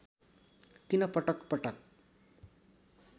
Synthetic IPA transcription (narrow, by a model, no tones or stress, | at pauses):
t̪inʌpʌʈʌkpʌʈʌk̚